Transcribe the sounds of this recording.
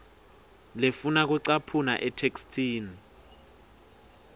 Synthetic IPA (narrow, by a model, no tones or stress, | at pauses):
lefunak̬uǀapʰunaʔɛtʰekstʰʼiːni